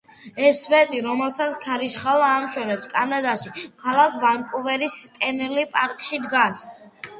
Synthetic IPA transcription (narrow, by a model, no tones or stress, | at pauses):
ɛsvɛt̪ʼiɾɔmɛlˠsat̪sʰkʰaɾiʃχalˠaːmʃwɛnɛpskʼanad̪aʃikʰalˠakʰbaŋkʼuvɛɾist̪ʼɛnɛlipʼaɾkʼʃid̪ɡas